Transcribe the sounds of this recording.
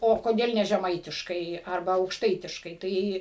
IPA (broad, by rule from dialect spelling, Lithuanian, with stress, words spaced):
oː koːˈdʲeːlˠ nʲɛ ʒʲɛˈmɐɪtʲɪʃkɐɪ ɐrˈbɐ ɐʊkʃˈtɐɪtʲɪʃkɐɪ ˈtɐɪ